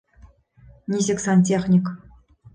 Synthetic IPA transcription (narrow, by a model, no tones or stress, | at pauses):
nʲizʲeksanʲtʲeχnʲik